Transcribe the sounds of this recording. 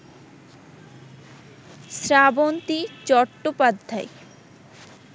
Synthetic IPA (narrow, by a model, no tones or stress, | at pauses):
sɾabont̪it͡ɕɔʈːopad̪ʱːaj